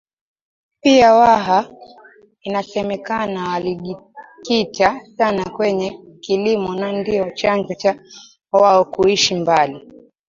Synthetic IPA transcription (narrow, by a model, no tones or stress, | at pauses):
piawaɦa | inasɛmɛkanawaliʄi | kitasanakwɛɲɛ | kilimɔnandiɔt͡ʃand͡ʒɔt͡ʃa | waɔkuiʃimbali